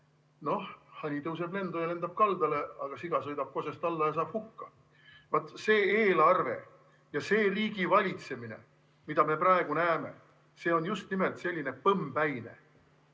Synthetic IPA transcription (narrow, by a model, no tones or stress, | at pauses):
no̞hhɑnʲit̪ɤws̬e̞ble̞nd̪̥ojɑle̞nd̪̥ɑb̥̚kɑld̪̥ɑle̞ɑɡ̥ɑsiɡ̥ɑsɤjd̪ɑb̥̚ko̞sest̪ɑlːɑjɑs̬ɑːb̥hukːɑ | vɑt̪ːˑse̞ːeːlɑrve̞̰ | jɑse̞ːriːɡivɑlʲit̪se̞minḛ | mid̪̥ɑme̞prɑeɡ̥unæːme̞̰ | se̞ːo̞njust̪nime̞lt̪se̞lʲːine̞pɤmbæjne̞̰